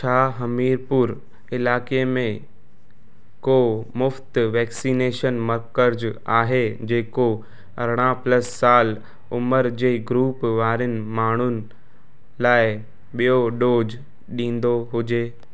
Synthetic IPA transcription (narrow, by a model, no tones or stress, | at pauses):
t͡ɕʰaːɦɐmiːɾpʊɾ | ɪlaːkemẽ | koːmʊft̪ʋɛːksineːʃənmɐɾkəɾd͡ʑaːɦed͡ʑeːko | ɐɾɽ̃ãpləsːaːl | ʊməɾd͡ʑeːɡɾuːpʋaːɾɪnɪ̆maːɳ̤ʊnɪ̆ | laːɪ | ɓijoɗoːd͡ʑ | ɗĩːn̆d̪oɦʊd͡ʑeː